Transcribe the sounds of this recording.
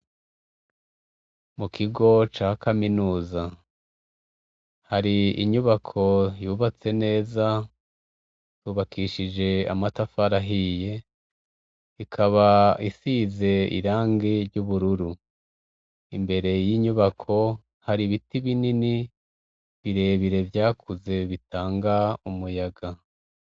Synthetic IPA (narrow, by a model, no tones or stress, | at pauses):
mukʰiɡo̞t͡ʃaːkaminuːza | haɾiḭɲuβakʰo̞juːβat͡se̞ne̞ːza | tuːβakiʃid͡ʒe̞a̰matafaɾaɦije̞ | ikʰaβaisize̞ḭɾaːŋɡiɾɟuβuɾuɾu | imbe̞ɾe̞jiːɲuβakʰo̞ | haɾiβitiβinini | βiɾe̞βiɾe̞vjaːkʰuze̞βitaːŋɡaumujaɡa